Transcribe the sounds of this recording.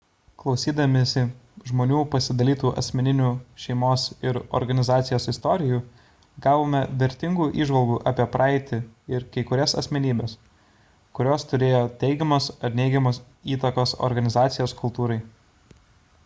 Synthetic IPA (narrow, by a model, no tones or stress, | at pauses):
klˠɒʊsʲiːd̪ɐmʲɪsʲɪʒmoːnʲuːpɐsʲɪd̪ɐlʲiːt̪uːʔɐ̰sʲmʲɛnʲɪnʲuːʃʲɛɪmoːsɪɾɔ̰ɾɡɐnʲɪzɑːt̪sʲɪjoːsɪst̪ɔːɾʲɪjuː | ɡɑːʋoːmʲɛʋʲɛɾʲt̪ʲɪŋɡuːʔiːʒʋɐlˠɡuːʔɑːpʲiɛpɾʔɑːɪt̪ʲɪɪɾkɐɪkʊɾʲɛsɐ̰sʲmʲɛnʲiːbʲeːs | kʊɾʲoːst̪ʊɾʲeːjoːt̪ʲɛɪɡʲɛmoːsɐt̪ʲnʲɛɪɡʲɛmoːs | iːt̪ɐkoːsɔ̰ɾɡɐnʲɪzɑːt̪sʲɪjoːskʊlˠt̪uːɾɐɪ